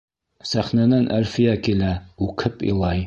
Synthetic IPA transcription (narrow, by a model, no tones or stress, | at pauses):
sæχnænænʔælfɪ̆jækilæʉkʰɘpḭlˠɑj